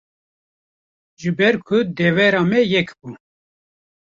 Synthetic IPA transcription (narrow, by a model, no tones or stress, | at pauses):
ʒɨbɛɾkʰʊd̪ɛvɛɾɑːmɛjɛkbu